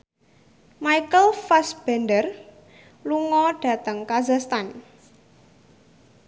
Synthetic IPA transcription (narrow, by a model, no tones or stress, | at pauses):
majkəlfasb̥ɛndər | luŋɔɖ̥a̤t̪əŋkazast̪an